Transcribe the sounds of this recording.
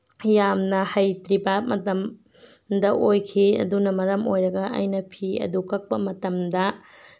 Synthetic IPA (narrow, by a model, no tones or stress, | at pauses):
jamnɐhɐjtɾibɐmɐtɐm | dɐʔojkʰiɐ̰dunɐmɐɾɐmojɾɐɡɐʔɐ̰jnɐpʰiɐ̰dukʰɐk̚pɐmɐtɐmdɐ